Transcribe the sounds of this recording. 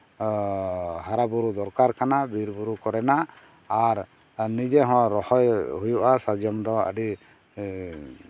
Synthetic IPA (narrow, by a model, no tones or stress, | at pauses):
ɦaɾabuɾud̪ɔɾkaɾkʰanabiɾbuɾukɔɾɛnaː | ɾ | nid͡ʒɛɦɔ̃ɾɔhɔjhujuʔasad͡ʒjɔmd̪ɔə̰ɖi